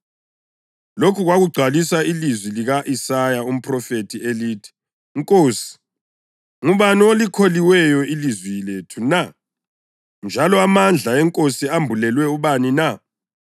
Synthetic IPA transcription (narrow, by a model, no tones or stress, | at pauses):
lokʰuɣwaɣuɡ͡ǀʱalisailizwiliɣaʔisajaum̩pʰʼrɔfetʰieliːtʰi̥ | ŋkʼoːsi̥ | ŋuβaniolikʰoliwɛjɔilizwiletʰuna | nd͡ʒʱalɔamand͡ɮʱaɛŋkʼosiambʱulɛlwɛuβanina